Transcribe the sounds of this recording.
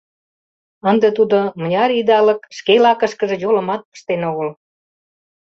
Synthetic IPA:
ənd̪et̪ud̪omə̆nʲɑɾid̪ɑlə̆kʃkelɑkəʃkə̆ʒĕjolə̆mɑt̪̚pə̥ʃt̪enoɣəl

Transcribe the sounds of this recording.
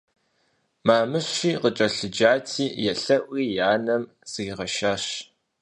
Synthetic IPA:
maːmɨɕiːqət͡ʃʼɐɬɨd͡ʒaːtʰiːjɛɬɐʔʷiːjaːnɐm | z̥ɨɣɪʁɐʃaːɕ

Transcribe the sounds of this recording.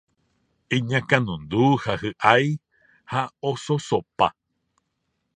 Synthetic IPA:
ĩɲãkãnũnd̪uhahɨʔaj | haososopa̰

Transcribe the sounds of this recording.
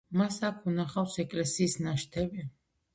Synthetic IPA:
masakʰunaχawsɛkʼlɛsiːsnaʃt̪ʰɛbi

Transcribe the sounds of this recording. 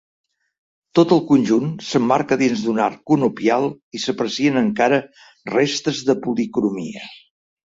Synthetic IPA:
t̪ot̪əlˠkunʲʒunsəmːaɾkəðinzd̪unaɾkunupialˠisəpɾəsiənəŋkaɾə | rest̪əzðəpulikɾumḭə

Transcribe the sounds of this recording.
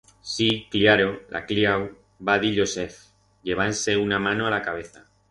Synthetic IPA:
sikljaɾolʔa̰kljaw | baðiʎo̞se̞f | ʎe̞β̞anse̞unamãnoalakaβ̞e̞θa

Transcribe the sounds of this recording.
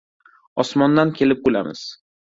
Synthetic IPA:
ɒsmɒnd̪ankʲʰe̞lɪp̚bola̰mɪ̰z̥

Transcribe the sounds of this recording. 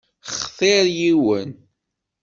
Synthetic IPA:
χθɪɾjiwən

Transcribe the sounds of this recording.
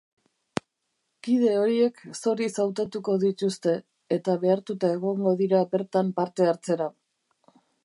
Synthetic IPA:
kið̞e̞o̞ɾie̞kso̞ɾisawt̪at̪uko̞ðit̪ust̪e̞ː | t̪aβe̞aɾt̪ut̪ae̞ɣ̞o̞ŋɡo̞ðiɾabe̞ɾt̪ampaɾt̪e̞aɾt͡se̞ɾa

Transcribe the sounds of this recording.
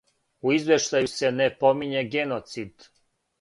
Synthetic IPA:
uizʋe̞ʃt̪ajuse̞nepomiɲeɡenot̪sid̪

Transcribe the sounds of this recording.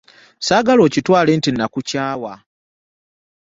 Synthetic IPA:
saːɡalo̞ːcitwaːle̞ːntinːakucaːwa

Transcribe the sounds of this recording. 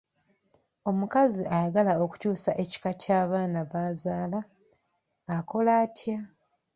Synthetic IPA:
o̞mukaziajaɡalao̞ku̥cuːsaʔe̞ci̥kacaːβaːnaβaːzaːlaː | ko̞laːtja

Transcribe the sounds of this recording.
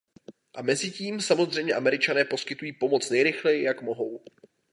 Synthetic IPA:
ʔamɛzɪciːmsamo̞zr̝ɛjmɲɛʔamɛɾɪt͡ʃanɛːpo̞skɪt̪ujiːpo̞mo̞t͡snɛjɾɪxlɛjɪjakmo̞ɦo̞w

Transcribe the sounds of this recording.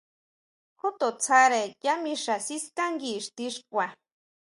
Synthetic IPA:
xut̪ot͡sʰaɾejamiʂasiskaŋɡiʂt̪iʂkʷa

